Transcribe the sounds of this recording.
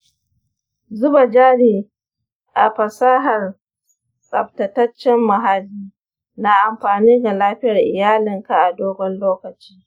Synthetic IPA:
zʊ˦ba˨d͡ʒaː˦ɽiː˨ | ʔa̰˨ɸɐ˨saː˦ɦɐ˨r | sʼɐ̰˨b̚tɐ˨tɐ˦t͡ʃːɛ˦mːɐ˨ɦa˦lːiː˦ | na˦ʔa˨mɸaː˨niː˦ɡa˨laː˦ɸɪ˦jɐ˨rʔɪ˨jaː˦lɪ˨ŋka˨ʔa˨doː˦ɡʷɔ˦nloː˦kɐ˨t͡ʃiː˦

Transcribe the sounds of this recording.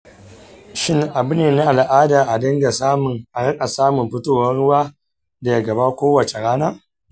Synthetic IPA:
ʃɪ˦ŋʔa˨bʊ˦neː˨na˦ʔa˨lʔaː˦da˨ʔa˨dɐ˦ŋɡa˨sa˦mʊ˨ŋʔa˨ɽɐ˦kʼa˨saː˦mʊ˨mɸɪ˦toː˦wɐ˦nɽʊ˦waː˦ | da˨ja˦ɡɐ˨ba˦kʷoː˦wɐ˨t͡ʃe˨ɽaː˦naː˦

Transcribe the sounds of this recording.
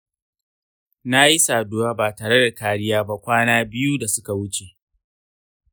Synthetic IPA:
na˦ji˦saː˨doː˦waː˦baː˨taː˨ɽe˦da˨kaː˨ɽɪ˦jaː˦ba˦kʷaː˦naː˦bɪ˦ju˦da˨sʊ˦ka˨wʊ˦t͡ʃe˨

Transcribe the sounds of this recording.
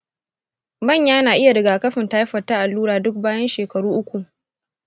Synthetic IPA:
mɐ˦˨ɲjaː˦naː˨ʔɪ˦ja˨ɾɪ˨ɡaː˨kɐ˦ɸɪ˨ntaː˦jɸɐ˨taː˦ʔa˨lːuː˦ɽaː˨dʊ˦k̚baː˦jɐ˦nʃeː˨kɐ˨ɽuː˦ʔʊ˦kʷu˨ʔ

